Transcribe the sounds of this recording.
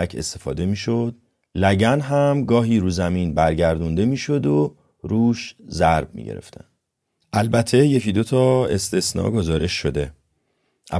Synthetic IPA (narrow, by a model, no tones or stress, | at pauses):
æcʰe̞̰st̪e̞fɒ̰ːd̪e̞miːʃo̞d̪̥̚ | læɟænɦæmɡɒːɦiːɾuːzæmiːnbæɾɟæɾd̪und̪e̞miːʃo̞d̪o | ɾuːʃzæɾb̚mḭːɟeɾḛft̪ʰæ̰n | ʔælbæt̪ʰe̞jecʰiːd̪o̞t̪ʰɒːe̞st̪e̞snɒ̰ːɡo̞zɒːɾe̞ʃːo̞d̪e̞ | ʔæ̰